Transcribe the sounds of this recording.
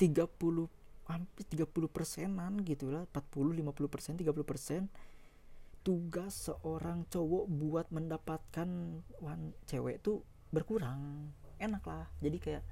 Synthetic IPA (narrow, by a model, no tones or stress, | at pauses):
t̪iɡapulʊhhampɪst̪iɡapulʊhpərsɛnanɡit̪ulahmpat̪̚pulʊhlimapuluhpərsɛnt̪iɡap̬uluhpərsɛn | t̪uɡasːəʔoɾaŋt͡ʃowɔbuat̪̚məndapat̪̚kanwaŋt͡ʃewɛʔt̪u | bərkuɾaŋenaklahd͡ʒadikajaʔ